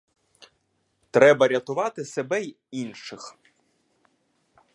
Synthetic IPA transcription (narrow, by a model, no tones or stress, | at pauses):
t̪ɾɛbɐɾʲɐt̪ʊʋɑt̪ɪsebɛj | inʃɪx